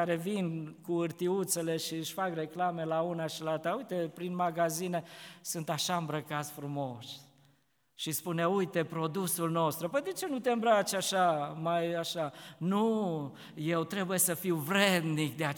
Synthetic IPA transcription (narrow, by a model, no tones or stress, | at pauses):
aɾe̞vinkuɨrt̪iut̪se̞le̞ʃiɨʃʲfakre̞klame̞launaʃilaalt̪aujt̪e̞pɾinmaɡazine̞sɨnt̪aʃaɨmbɾəkat̪sfɾumo̞s | ʃispune̞ujt̪e̞pɾo̞d̪usulno̞st̪ɾupəjd̪e̞t͡ʃe̞nut̪e̞mbɾat͡ʃaʃamajaʃanu | je̞wt̪ɾe̞buje̞səfiwvɾe̞d̪nikd̪ea